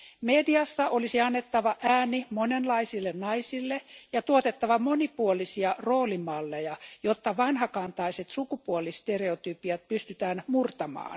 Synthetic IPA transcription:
mediɑsːɑʔolisiɑnːet̪ːɑʋɑʔæːnimonenlɑisilːennɑisilːejɑt̪uot̪et̪ːɑʋɑmonipuolisiɑroːlimɑlːejɑjot̪ːɑʋɑnhɑkɑnt̪ɑiset̪sukupuolist̪ereot̪yːpiɑt̪̚pyst̪yt̪æːnmurt̪ɑmɑ̰ːn

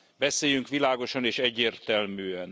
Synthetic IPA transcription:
bɛseːjyŋkʋilaːɡo̞ʃɒneːʃɛɟːeːrt̪ɛlmyːɛn

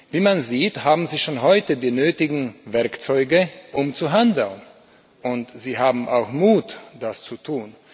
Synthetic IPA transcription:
viːmanziːthaːbm̩ziːʃoːnɦɔʏtədiːnøːtɪɡŋ̩vɛɐkt͡sɔʏɡəʔʊmt͡suɦandl̩n | ʔʊntz̥iːɦaːbm̩ʔa̰ʊxmuːtd̥ast͡sutʰuːn

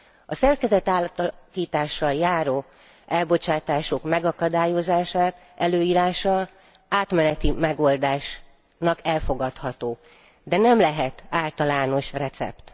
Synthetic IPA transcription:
ɒsɛrkɛzɛt̪aːlt̪ɒkiːt̪aːʃːɒljaːɾoː | ɛlbo̞t͡ʃaːt̪aːʃo̞kmɛɡɒkɒd̪aːjo̞zaːʃaːt̪ | ɛløːiːɾaːʃɒ | aːt̪mɛnɛt̪imɛɡo̞ld̪aːʃ | nɒkɛlfo̞ɡɒt̪hɒt̪oː | d̪ɛnɛmlɛɦɛt̪aːlt̪ɒlaːno̞ʃrɛt̪sɛ̰pt̪

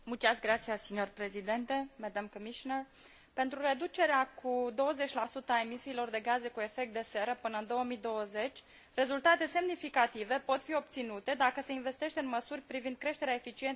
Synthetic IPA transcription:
mut͡ʃatsɡɾat̪sijasinjo̞rpɾe̞zid̪ent̪e̞med̪amkomiʃoner | pe̞nt̪ɾure̞d̪ut͡ʃe̞ɾeakʰud̪o̞wəze̞t͡ʃʲlasut̪əae̞misiːlo̞rd̪e̞ɡaze̞kue̞fe̞k̚t̪̚d̪e̞se̞ɾəpɨnəɨnd̪o̞wəmid̪o̞wəze̞t͡ʃʲ | re̞zult̪at̪e̞se̞mnifikat̪ive̞po̞t̪fio̞p̚t̪sinut̪e̞d̪akəse̞inve̞st̪e̞ʃt̪eɨnməsurʲpɾivind̪̚kɾe̞ʃt̪e̞ɾeaefit͡ʃien

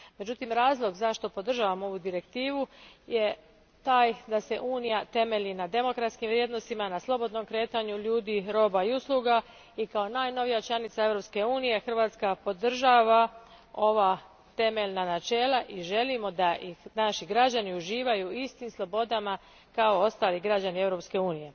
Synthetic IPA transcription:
me̞d͡ʑut̪imɾaːzlˠo̞ɡzaʃt̪o̞po̞d̪r̩ʒaːʋamoo̞ʋud̪iɾe̞kt̪iːʋuje̞ | t̪aːjd̪ase̞ʔuːnijat̪e̞me̞ʎinad̪e̞mo̞kɾat̪skimʋɾje̞ːd̪no̞st̪imanaslˠo̞bo̞d̪no̞mkɾe̞ːt̪aɲuʎuːd̪iɾo̞baiuslˠuɡa | ikao̞naːjno̞ʋijat͡ʃanit̪sae̞vɾopske̞uːnije̞xr̩ʋaːt̪skapo̞d̪r̩ʒaːʋa | o̞ʋaː | t̪e̞me̞lnanat͡ʃe̞ːlaʔiʒe̞limo̞d̪aixnaʃiɡɾad͡ʑaniuʒiːʋajuist̪imslˠo̞bo̞d̪ama | kao̞o̞st̪aːliɡɾad͡ʑanie̞vɾo̞pske̞uːnije̞

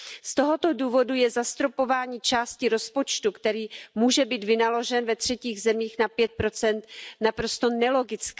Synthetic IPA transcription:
st̪o̞ɦo̞t̪o̞duːvo̞dujɛzast̪ɾopo̞vaːɲiːt͡ʃaːscɪɾo̞spo̞t͡ʃt̪ukt̪ɛɾiːmuːʒɛbiːt̪vɪnalo̞ʒɛnvɛt̪r̝̥ɛciːɣzɛmiːxnapjɛt̪̚pɾo̞t͡sɛnt̪napɾo̞st̪o̞nɛlo̞ɡɪt͡skː

